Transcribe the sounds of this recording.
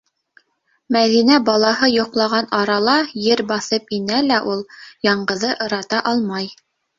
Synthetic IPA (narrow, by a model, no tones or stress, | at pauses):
mæðinæbɑlˠɑɦɤjŏqlˠɑʁɑnɑɾɑlˠɑjɘɾbɑθɤpinælæʔulˠjɑɴɢɤ̆ðɤʔɤ̆ɾɑt̪ɑʔɑlˠmɑj